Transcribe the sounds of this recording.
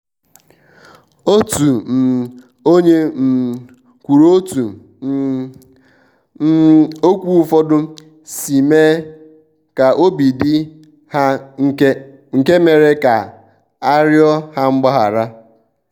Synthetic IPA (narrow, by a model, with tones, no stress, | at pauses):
o˦tu˨m̩˨ | o˦ɲe˦m̩˨ | kʷu˨ɾo˦tu˨˦ | o˦kʷu˦u˦fɔ˦dʊ˦ | si˨me˦ | ka˨ʔo˦bi˨dɪ˦ | ha˦ | ŋ̩˨ke˦me˨ɾe˦ka˨ | a˦ɾjɔ˦ha˦ŋ͡m̩˦ɡ͡ba˦ɦa˨ɾa˦